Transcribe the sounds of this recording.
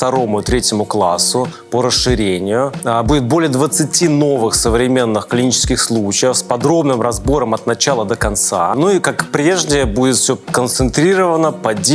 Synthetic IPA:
ft̪ɐɾo̞mʊɪt̪ɾʲetʲɪmʊklˠasːʊ | pəɾəsʂɨɾʲenʲɪjʊbudʲɪt̪̚bolʲɪjəd̪vət̪sɨtʲino̞vɨxsəvɾʲɪmʲe̞nːɨxklʲɪnʲit͡ɕɪ̥skʲɪxslˠut͡ɕɪjəfspɐd̪ɾo̞bnɨmɾɐzbo̞ɾəmɐt̪nɐt͡ɕalˠəd̪əkɐnt̪sa̰nuikakpɾʲe̞ʐnʲɪjəbudʲɪt̪fsʲɵkənt̪sɨnt̪ɾʲiɾəvənəpɐdʲ

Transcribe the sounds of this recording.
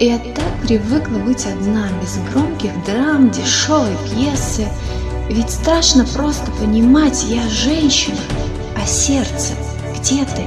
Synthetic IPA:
ijat̪ak̚pɾʲɪvɨklˠəbɨtʲɐd̪nabʲɪzɡɾo̞mkʲɪɣd̪ramdʲɪʂo̞vəjpjesɨ | vʲɪtʲst̪ɾaʂnəpɾo̞st̪ə̥pənʲɪmatʲjaʐɛnʲɕɪnʊ | ɐsʲert̪sə̰ | ɡ̥dʲet̪ɨ

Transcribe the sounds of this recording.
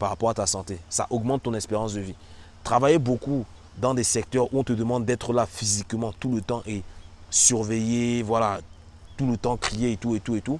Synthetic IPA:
paʁapɔʁat̪asɑ̃t̪esa̰ʔɔɡmɑ̃t̪ːɔ̃nɛspeʁɑ̃sd̪əvi | t̪χavajeboku | d̪ɑ̃d̪esɛk̚t̪œʁuɔ̃t̪əd̪əmɑ̃d̪ːɛt̪χəlafizikmɑ̃t̪ulət̪ɑ̃ʔe | syʁvejevwala | t̪ulət̪ɑ̃kχijeet̪uet̪uet̪u

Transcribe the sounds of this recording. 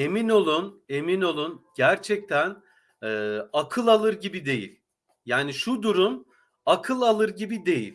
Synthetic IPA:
e̞mino̞lˠune̞mino̞lˠunɟæɾt͡ʃʰɛc̚t̪ʰæn | ɛːakʰɯlˠalˠɯɾɟibid̪e̞jḭlʲ | jaːniʃud̪uɾun | akʰɯlˠalˠɯɾɟibid̪e̞jḭlʲ

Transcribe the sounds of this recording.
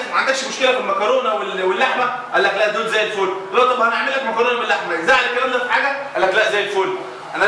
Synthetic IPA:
mæʕand̪ækʃmoʃkelæmenmækɑɾˤoːnæwelwelːaħmæ | ʔælːæklæʔd̪oːd̪zæːjːelfoːlælwæʔt̪ˤːɑbhæneʕmelːækmækɑɾˤoːnæmenlːaħmæʔezæjʕalælkːælæːmd̪æfiħaːɡæʔælːæklæʔzæːjelfoːl | ʔænæ

